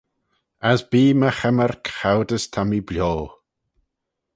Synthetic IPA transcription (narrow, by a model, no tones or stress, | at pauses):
azb̥iːməxɛmərkxawdəstʰamibljoː